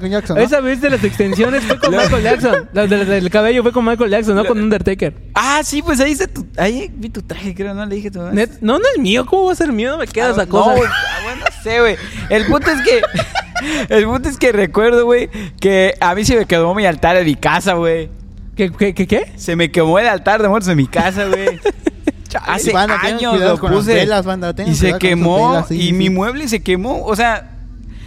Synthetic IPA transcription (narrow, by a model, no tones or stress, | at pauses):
kond͡ʒaksoβes̬aβez̬ðelas̬ekst̪ens̬jo̞nesfwekonajkolʝaksonlaðelaelkaβeʝofwekonmajkolʝaks̬onːoonũnd̪eɾt̪ekeɾ | asipwes̬aieset̪uaibit̪ut̪ɾaxekɾeonoleðixet̪unet̪nonoesmiokomoβaseɾmionomekeðaesakosaeawenoseɣwejelpũnt̪oeske | elpũnt̪oeskerekwe̞ɾðoɣwejkeamise̞me̞keðomialt̪aɾðemikasaɣwej | kekekekese̞me̞kemo̞elalt̪aɾðemonozðemikas̬aɣwej | aseaɲoslopus̬elazβand̪at̪eisekemoimimwe̞βles̬e̞kemoosea